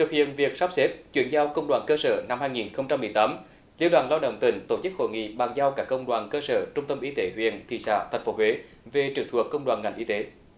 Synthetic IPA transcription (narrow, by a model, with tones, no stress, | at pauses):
t̪ʰɨ˨˩k̚hḭ˧˨ənvi˨˩ək̚saː˦˥p̚se˦˥p̚t͡ɕwi˧˩ənzaː˧wkə˧wŋ͡mɗwaː˨˩nkəː˧sə̰ː˧˩na˧mhaː˧jŋi˨˩nxə˧wŋ͡mt͡ɕa˧mːɨ˨˩əjt̪aː˨˦m | li˧əwɗwaː˧˨˩nlaː˧wɗə̰˧˨wŋ͡mt̪ï˧˩ŋ̟t̪o˧˩t͡ɕɨ˦˥k̚ho̰˧˨jŋḭ˧˨ɓaː˨˩ŋzaː˧wkaː˦˥kːə˧wŋ͡mɗwaː˨˩nkəː˧sə̰ː˧˩t͡ɕʊ˧ŋ͡mt̪ə˧mʔi˨˦t̪e˨˦hwḭ˧˨ənt̪ʰḭ˧˨˩sa̰ː˧˨t̪ʰa˨˩jŋ̟fo˨˦ɦwe˨˦ | ve˨˩t͡ɕɨ˨˩əŋt̪ʰu˨˩əkːə˧wŋ͡mɗwa̰ː˨˩nŋa˨˧˩jŋʔi˧t̪e˨˦